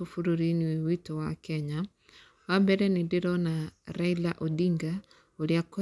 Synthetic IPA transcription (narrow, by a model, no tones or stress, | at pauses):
ofuɾoɾiniwewitowakɛɲa | wambɛɾɛnedeɾɔnaɾailaʔodiŋɡa | oɾeako